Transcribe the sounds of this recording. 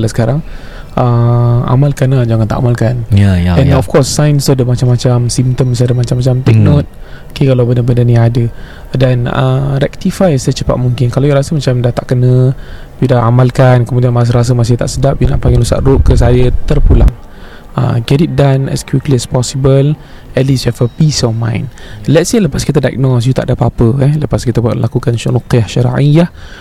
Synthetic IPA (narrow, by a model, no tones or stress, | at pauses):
lasə̥kaɾaŋ | ʔəa̰malkanad͡ʒaŋant̪a̰ʔamalkanjɛ̃ɔfkɔsːajnsodəmat͡ʃamat͡ʃamsimt̪əms̬adəmat͡ʃamːat͡ʃamt̪ɛk̚not̪̚ | okekalabəndəbəndaniadə | danə̰rɛk̚t̪ifajsajət͡ʃəpa̰t̪̚muŋkɪnkalawjaɾasəmat͡ʃamdaht̪aʔkənə̃ | bidaa̰malkankəmũdianmas̬əɾas̬əmas̬it̪a̰ʔsədap̚juna̰ʔpaŋɡilusa̰ʔrʊʔkːəs̬ajət̪ərpula̰ŋ | ə̰ɡɛdit̪̚danɛ̰skwikliɛspɔsibəl | ɛtlisɛfəpisɔfmã̰jnlɛt̚seləpaskit̪ədaj̰k̚nɔs̬jut̪aʔdapapəɛləpaskit̪əblakukanʃruqiahʃaɾ̰ʔija